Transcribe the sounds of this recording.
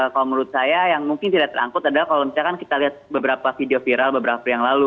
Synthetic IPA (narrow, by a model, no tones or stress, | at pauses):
kalomuɾʊt̪̚sajajaŋmuŋkɪnt̪idaʔt̪əɾa̰ŋkʊt̪adalahkaloləmit͡ʃakankit̪aliɦat̪̚bəbəɾapafideofiɾalbəbəɾapajaŋlalu